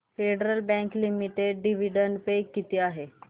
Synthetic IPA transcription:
feɖəɾəlbɛ̃ŋklimiʈeɖɖiʋiɖəɳɖpekːit̪iaɦe

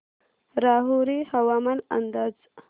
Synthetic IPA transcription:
ɾɑːɦuɾihawamana̰nd̪az

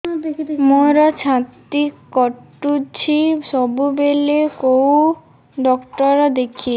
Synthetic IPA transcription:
moɾɔt͡ʃʰãt̪ikkɔʈːut͡ɕʰisɔbubelekow | ɖɔkʈɔɾɔd̪ekʰi

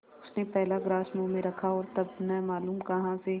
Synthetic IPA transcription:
ʊsnepɛɦlaɡɾaːʃmõmẽɾɐkʰaɔːɾt̪ɐbnɛːmaːluːmkɐɦãse

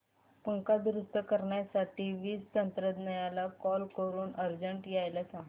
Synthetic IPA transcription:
pəŋkad̪ɾust̪əkəɾɳjasaʈiːʋiːst̪ənt̪ɾəd̪nəjalakɔlkəɾuːnʔəɾd͡ʑəɳʈjajlasãŋɡ

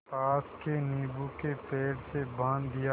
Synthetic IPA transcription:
paːskeniːbukepeːɖsebãːnd̪ɪja

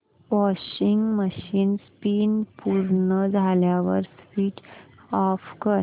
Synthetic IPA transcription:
ʋɔɕiŋɡməɕiːnspiːnpuɾɳəd͡zʱaljaʋə̰ɾsfiːʈɔfkəɾ

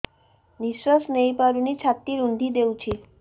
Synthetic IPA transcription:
niʃʋasnəjpaɾunit͡ʃʰat̪ːiɾund̪ʱid̪ewt͡ʃʰi

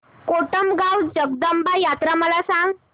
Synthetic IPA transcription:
koʈəmɡawd͡ʑəɡ̚d̪əmbajat̪ɾaməlasãŋɡ

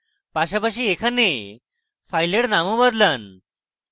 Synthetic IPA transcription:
paɕapaɕiːekʰane | fajleɽnamũbəd̪lən

